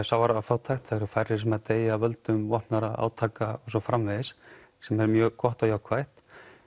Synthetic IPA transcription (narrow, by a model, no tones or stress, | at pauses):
sawvaɾaafaːwt̪ʰajxt̪faɛɾʏɾfajɾːɪ̥s̬ɛmaðt̪eːjavœlt̪ʏmvɔhpnaɾaa̰ːwt̪ʰaːkaɔsɔfɾamvɪjðɪs | sɛmɛɾmjœːkʰɔht̪ajawkʰvajht̪